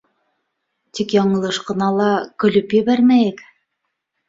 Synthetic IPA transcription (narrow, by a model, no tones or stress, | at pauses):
t̪ikjɑɴɤ̆lˠɤʃqɤ̆nɑlˠɑkɵ̆lɵpjɘ̆βæɾmæjɘk